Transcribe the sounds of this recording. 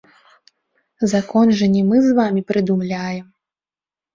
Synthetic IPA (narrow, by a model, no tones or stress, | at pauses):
zakɔnʐɐnʲɛmɨzvamʲipɾɨd̪umlʲajɛm